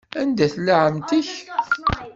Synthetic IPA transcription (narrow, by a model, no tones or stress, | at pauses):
ænd̪æθlʕəmt̪əç